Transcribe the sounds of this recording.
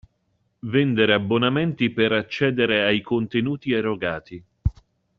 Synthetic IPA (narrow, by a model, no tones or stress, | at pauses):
vɛnd̪eɾeabːonament̪ipeɾat͡ʃːɛːd̪eɾeajkont̪enuːt̪ieroɡaːt̪i